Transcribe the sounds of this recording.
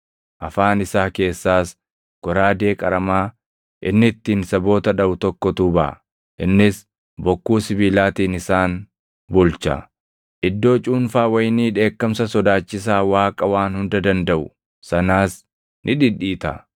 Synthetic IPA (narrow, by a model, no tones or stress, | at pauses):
ʔɐfaːnɪsaːke̞ːsːaːs | ɡ̥ɔɾaːd̪e̞ːkʼɐɾɐmaː | ʔɪnːɪt̪ːiːnsɐbo̞ːt̪ɐᶑɐbʊt̪ɔkːɔt̪uːbɐʔɐ̰ | ʔɪnːɪs | bɔkːuːsɪbiːlaːt̪iːnɪsaːn | bʊlt͡ʃɐ̰ | ʔɪd̪ːo̞ːt͡ʃʼuːnfaːwɐjniːᶑe̞ːkːɐmsɐsɔd̪aːt͡ʃːɪs̬aːwaːkʼɐwaːnhʊnd̪ɐd̪ɐnd̪ɐʔʊ | sɐnaːs | nʔɪᶑɪᶑiːt̪ɐ̰